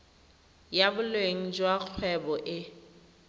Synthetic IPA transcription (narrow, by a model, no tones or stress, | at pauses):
jabʊlweŋ̩d͡ʒwak͡xʰwɛbɔʔɪ